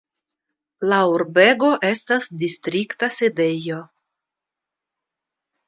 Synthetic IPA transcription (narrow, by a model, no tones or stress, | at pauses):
lauɾbe̞ɡo̞ʔe̞stasdist̪ɾiktasede̞jo̞